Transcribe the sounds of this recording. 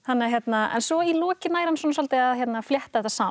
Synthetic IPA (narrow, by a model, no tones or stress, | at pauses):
hanːɪçjɛt̪naɛ̰nsɔilɔːcɪnaːjɾansɔːnsɔlt̪ɪaðçjɛt̪nafljɛht̪aðɛht̪asaː